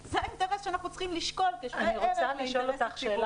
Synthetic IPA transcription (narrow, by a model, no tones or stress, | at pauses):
zeakt̪eʁeʃeanaχnut͡sχimliʃkolkeʃaniʁot͡saliʃolːot̪aχʃeːla